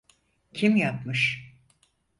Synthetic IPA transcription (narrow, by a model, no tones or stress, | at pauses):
cʰimjap̚mɯʃ